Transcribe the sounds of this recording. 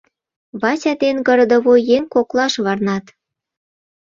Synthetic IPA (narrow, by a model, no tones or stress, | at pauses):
βɑsʲɑd̪enɡə̆ɾd̪ə̆βojeŋkoklˠɑʃβɑrnɑt̪